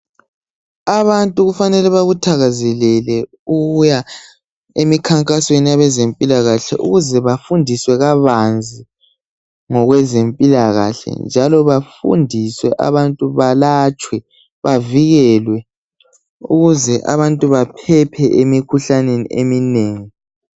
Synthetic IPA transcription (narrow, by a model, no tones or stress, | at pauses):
aβantʼuɣufanɛlɛβaɣutʰaɣazɛlɛlɛ | uɣuja | emikʰaŋkʼaswenijaβɛzempʼilaɣaɬɛ̰ʔṵɣuzɛβafundʱiswɛɣaβand͡zʱi | ŋɔɣwɛzempʼilaɣa̰ɬɛ̰nd͡ʒʱalɔβafṵndʱiswɛʔa̰βantʼuβalat͡ʃʼwɛ | βaviɣɛlwɛ | ṵɣuzɛʔa̰βantʼuβapʰɛpʰɛʔemikʰuɬanenḭḛmineːŋi